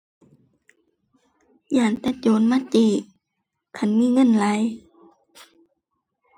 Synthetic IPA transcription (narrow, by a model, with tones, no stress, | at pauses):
jaː˨˩nt̪a˧˩t͡ɕoː˨˦nma˧˥˨t͡ɕiː˧˩ | kʰa˧˨nmiː˧˥˨ŋɤ˧˥˨nla˨˦j